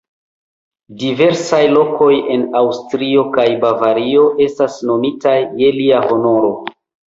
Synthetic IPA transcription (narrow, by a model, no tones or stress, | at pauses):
dive̞ɾsajlo̞kʰo̞je̞nawstɾio̞kajbavaɾio̞ʔe̞stasno̞mitajːe̞liaho̞no̞ɾo̞